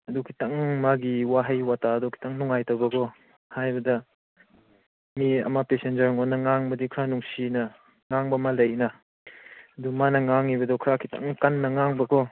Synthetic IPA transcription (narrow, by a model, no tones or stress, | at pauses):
ɐdukʰi̥taŋmaɡiwaɦajwatadukʰi̥taŋnuŋajtɐwbɐkʰɔ | hajbɐdɐ | miɐ̰mapesend͡ʒɐɾŋɔnɐŋaŋbɐdikʰɾanuŋsinɐ | ŋaŋbɐmalɐjnɐ | ɐdumanɐŋaŋibɐdɔkʰɾakʰita̰ŋkanːɐŋaŋbɐkʰɔ